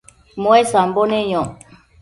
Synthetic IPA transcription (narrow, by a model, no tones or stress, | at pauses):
moɛsambonɛjɔ̃